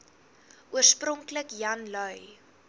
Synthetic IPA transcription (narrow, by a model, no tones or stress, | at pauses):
ʔuərsprɔŋkləkjɐnlœɥ